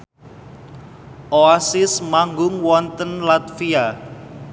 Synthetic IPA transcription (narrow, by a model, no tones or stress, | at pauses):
ʔoasɪsmaŋɡʊŋwɔnt̪ənlat̪fia